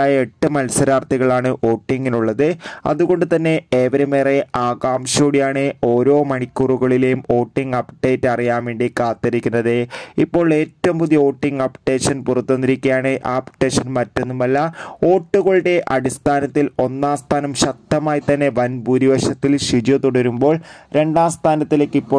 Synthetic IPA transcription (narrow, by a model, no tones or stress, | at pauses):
aːjɐeʈːɨmɐlsɐɾaːrt̪ʰiɣɐɭaːɳɨʔo̞ːʈːiŋɡiluɭːɐðɨɐ̰ðuɣo̞ɳɖɨt̪ɐnːe̞eːʋɐɾɐmeːreaːɣaːmɕoːɽijaːɳɨo̞ːɾo̞ːmɐɳikʲːuruɣɐɭile̞jumo̞ːʈːiŋɡɐpɖe̞ːtːɐrijaːmʋeːɳɖikaːt̪ːɐɾikʲːunːɐðɨipːo̞ːɭe̞ːtːɐumpuðijɐo̞ːʈːiŋɡɐpʈe̞ːʂɐnpurɐt̪ːonːiɾikʲːujaːɳɨʔaːpʈeːʂɐnmɐtːenːumɐlːɐo̞ːʈːuɣoɭɽe̞ʔɐɽist̪ʰaːnɐt̪ːilo̞nːaːst̪ʰaːnɐmɕɐk̚t̪ːɐmaːjit̪ɐnːe̞ʋɐnbuɾiʋɐɕɐt̪ːilɕid͡ʑɐt̪uɽɐɾumbo̞ːɭɾe̞ɳɖaːst̪ʰaːnɐt̪ːileːkːipːo̞ː